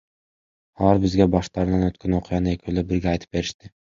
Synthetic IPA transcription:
ɒlˠaɾbɪzɡʲabɒʃt̪ʰaɾd̪anot̪̚kʲanoqʰɨjanɪekʲʰolabɪɾɡʲaːjt̪ʰɪ̥p̚be̞ɾɪʃt̪ɪ

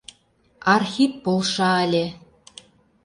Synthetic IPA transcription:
ɑrxipːolˠʃɑəlʲĕ

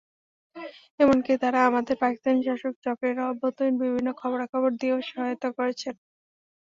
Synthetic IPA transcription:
emonkit̪aɾaamad̪eɾpakist̪aniʃaʃok̚t͡ɕɔkɾeɾɔbʱot̪onbibʱinːokʰɔboɾakʰɔboɾd̪ioʃɔɦajot̪okoɾet͡ɕʰen

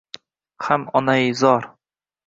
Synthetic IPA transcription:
hamɒnaɪzɒɾ

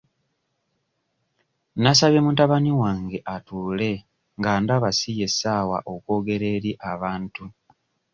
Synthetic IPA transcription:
nasaβje̞mutaβaniwaːŋɡe̞ʔatuːle̞ | ŋɡaːndaβasije̞saːwa̰ʔo̞kwo̞ːɡe̞ɾe̞ːɾiʔaβaːntu

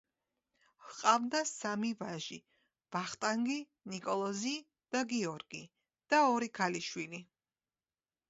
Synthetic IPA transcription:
hqʼavd̪asamivaʒi | b̥aχt̪ʼaŋɡi | nikʼɔlˠɔzi | d̪̥aɡiɔɾɡi | d̪̥aɔɾikʰaliʃwili

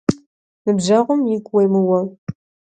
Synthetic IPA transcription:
mɨbʒɐʁʷʊmjɪkʷʼwejmɨwɐ

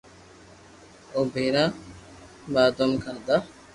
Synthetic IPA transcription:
obʱeɾã | baːd̪omkʰad̪a

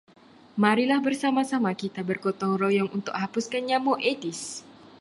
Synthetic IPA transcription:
maɾilahbərsamasamakit̪abərkɔt̪ɔŋrojɔŋunt̪ʊk̚hapuskanɲamoʔet̪is

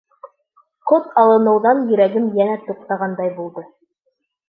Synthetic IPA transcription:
qot̪ɑlˠɤ̆nɤ̆wðɑnjɵ̆ɾæɡɘmjænæt̪ŭq̚t̪ɑʁɑnd̪ɑjbulˠd̪ɤ

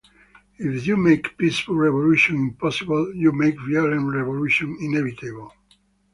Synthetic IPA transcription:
ifjumeɪkpisfəlɹɛvoluʃɔ̃nĩmpɔsibəljumeɪkviɔlə̃nɹɛvoluʃɔ̃nĩnɛvit̪ʰebəl̩

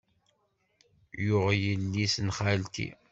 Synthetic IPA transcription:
jʊʁjəlːisnχalt̪ḭ

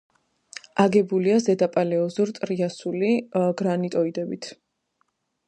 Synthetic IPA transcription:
aɡɛbuliazɛd̪apʼalɛɔzuɾt̪ʼɾiasuliɡɾanit̪ʼɔid̪ɛbit̪ʰ

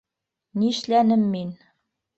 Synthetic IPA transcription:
niʃlænɘmːin

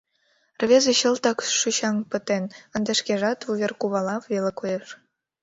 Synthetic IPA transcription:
rβʲezeɕə̆lt̪ɑkʃyɕɑŋpə̆t̪enə̆nd̪ĕʃkeʒɑt̪uβʲerkuβɑlɑːelekojeʃ

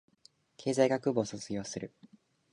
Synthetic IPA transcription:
kʰe̞ːzaiɡakɯ̟bo̞ːsot͡sɨɡʲo̞ːsɨɾɯ̟

